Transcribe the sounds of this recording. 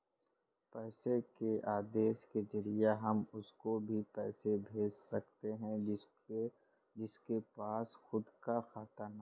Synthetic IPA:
pɛːsekeʔaːd̪eːʃked͡ʒɐɾijaɦɐmʊskobʱipɛːsebʱeːd͡ʒsɐkt̪eɦɛ̃ɪ | d͡ʒɪskepaːsxʊd̪kaxaːt̪əɾnaː

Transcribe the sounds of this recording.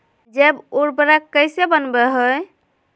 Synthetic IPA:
d͡ʒebuɾpɾakːəjsebənbeɦoj

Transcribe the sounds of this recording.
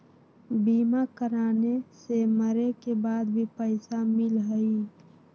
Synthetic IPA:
biːmakəɾaːneseməɾekebaːd̪bʱipəɪsamɪlɦəi

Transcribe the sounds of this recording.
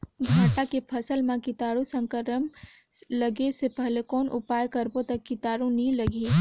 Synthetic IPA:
ɡʱaːʈakepʰɐsəlmãkɪt̪aːɾũsə̃ŋkəɾəm | lɐɡesepɛɦlekɔːnʔʊ̰paːjkɐɾbot̪ɐkːɪt̪aːɽũnĩlɐɡe

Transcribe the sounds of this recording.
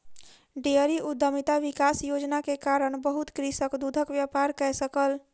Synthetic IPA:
ɖeəɾiʔud̪ʱːəmit̪aʋikasjod͡ʒnakekaɾəɳbəɦut̪kɾisəkd̪ud̪ʱəkʋjapaɾkɛjsəkəl

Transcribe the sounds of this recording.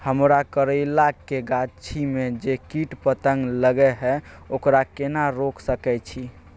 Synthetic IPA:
həmɾakəɾəlakːeɡat͡ʃʰimed͡ʒekiʈpət̪əŋɡləɡɛɦɛokɾakenaɾoksəkɛt͡ʃʰi

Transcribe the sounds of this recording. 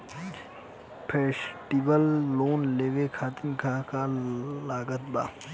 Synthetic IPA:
pʰeːsʈibəlːoːnleːʋekʰaːt̪ɪnkʰaːkalaːɡət̪ba̰ː

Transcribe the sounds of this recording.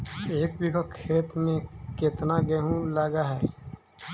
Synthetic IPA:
eːk̚bikokʰːeːt̪mẽkɪt̪naɡɛɦũlaːɡaɦɛː

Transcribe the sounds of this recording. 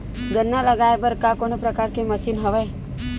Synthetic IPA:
ɡənːaləɡaebəɾkakonopɾəkaːɾkeməsiːnɦəʋe

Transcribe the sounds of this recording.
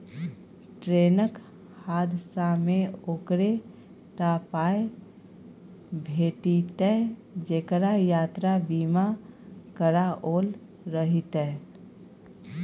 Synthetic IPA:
ʈɾeːnək | haːd̪ʱsameoːkɾe | ʈaːpaːe | bʱeːʈit̪ɛd͡ʒeːkɾajaːt̪ɾabiːmakəɾaʔoːl | ɾəɦit̪ɛ

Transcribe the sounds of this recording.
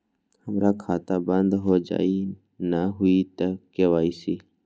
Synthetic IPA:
həmɾaːkʰaːt̪aːbənd̪ɦoːd͡ʒa̰ːi | nəɦʊit̪əkːeʋaːiːsiː

